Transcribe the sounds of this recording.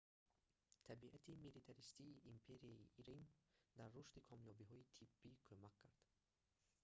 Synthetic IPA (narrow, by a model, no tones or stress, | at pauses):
t̪ʰabiʔat̪ʰimilit̪ʰaɾist̪iːʔːmpʰe̞ɾiaḭʔiɾimd̪arːuʃt̪ikʰɔmjɔbiɦɔit̪ʰibːikʰømakʰːaɾd̪̥